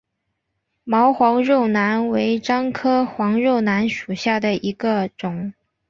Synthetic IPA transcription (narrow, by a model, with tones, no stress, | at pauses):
mɑ˧˥ʊxwɑ˧˥ŋɻo˥˩ʊna˧˥nwe˧˥ɪʈ͡ʂɑ˥ŋkʰɤ˥xwɑ˧˥ŋɻo˥˩ʊna˧˥nʂu˨˩ɕja˥˩d̪ə˩i˧˥ɡə˧ʈ͡ʂʊ˨˩˦ŋ